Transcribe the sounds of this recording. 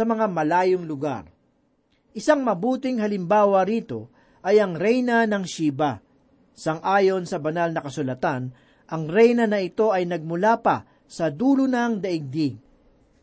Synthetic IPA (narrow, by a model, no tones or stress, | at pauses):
ɐmɐŋamɐlaːjoŋlʊɡa̰ɾ | ʔɪsaŋmɐbuːt̪ɪŋhɐlɪmbaːwɐɾiːt̪o̞ | ʔɐjɐŋɾɛjnɐnɐŋʃiːbɐ | sɐŋʔaːjo̞nsɐbɐnalnɐkɐsʊlɐt̪an | ʔɐŋɾɛjnɐnɐɪt̪o̞ʔɐjnɐɡ̚mʊlaːpɐ̰ | sɐd̪uːlʊnɐŋd̪ɐʔɪɡ̚d̪ɪŋ